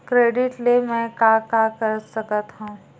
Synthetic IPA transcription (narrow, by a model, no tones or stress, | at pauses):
kɾeːɖɪʈlemɛ̃kakakəɾsɐkət̪ɦũː